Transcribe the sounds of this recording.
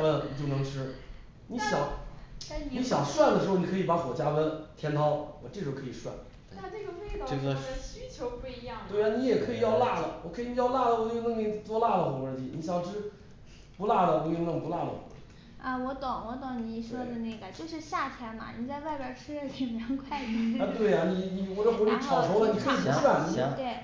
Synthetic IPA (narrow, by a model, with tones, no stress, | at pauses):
wə˥lə˩ni˨˩t͡ɕjo˥˩ʊnɤ˧˥ŋʈ͡ʂʰɻ̩˥ | ni˧˥ɕjɑ˨˩˦t̪a˥˩n˧ni˧˥ɕjɑ˨˩ŋʂwa˥˩nd̪ə˩ʂɻ̩˧˥xo˩ni˨˩kʰɤ˧˥i˨˩pa˧˥fwɔ˨˩t͡ɕja˥wə˥t̪ʰjɛ˥nt̪ʰɑ˥ʊwɔ˨˩ʈ͡ʂʈ͡ʂo˧˩kʰɤ˧˥i˨˩ʂwa̰˥˩ | na˥˧ʈ͡ʂə˥˩ɡə˩we˥˧ɪt̪ʈ͡ʂɤ˥˩ɡə˩˧ɕy˥t͡ɕʰjo˧˥ʊpu˥˩i˧˥jɑ˥˩ŋt̪we˥˩a˥˩ni˧˥jɛ˨˩kʰɤ˧˥i˨˩jɑ˥˧ʊla˥˩lə˨˩wɔ˨˩kʰɤ˧˥i˧˥ni˧˥jɑ˥˧ʊla˥˩lə˨˩wu˧˥i˥˧nə˥˧ŋ˧˥˩t̪wɔ˥la˥˩lə˨xɔ˨˧˩ə˧˥nt͡ɕi˧˥˩ni˧˥ɕjɑ˨˧ŋ˧˥˧ʈ͡ʂʰɻ̩˥ | pu˧˥la˥˩d̪ə˨wo˧˥ji˥˧ŋə˥˧ŋpu˧˥la˥˩d̪ə̰˨˩xɔ̰˧˥˩ə˧wɔ˧˥t̪ɑ˨˩˦ŋwɔ˧˥t̪ɑ˨˩ni˧˩˥ʂɤ˥d̪ə˨ne˥˩ɡə˨˩t͡ɕjo˥˧ʊʂɻ̩˥˧ɕja˥˩t̪ʰjɛ˧˥na̰˩ni˨˥t͡sa˥˧ɪwa˥˩ɪpjɑ˨˩ʈ͡ʂʰɻ̩˥˩kʰɛ˨˩a˧˥nkʰwa˥˩ɪ˥a˧t̪we˥˩ɪa˨ni˧˩ni˨˩wɔ˨˩ʈ͡ʂə˥˩xwi˥ʈ͡ʂʰɑ˨˩ʊʂo˧˥lə˨ni˨˩kʰɤ˧˥i˨˩˥ʂwa˥˩n˧t̪we˥˩ɪ